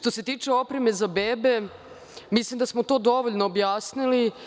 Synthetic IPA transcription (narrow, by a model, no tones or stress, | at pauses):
ʃt̪ose̞t̪iːt͡ʂeo̞pɾe̞me̞zabeːbe̞ | mislimd̪asmot̪o̞ːd̪o̞ʋoʎnoːbjaːsnili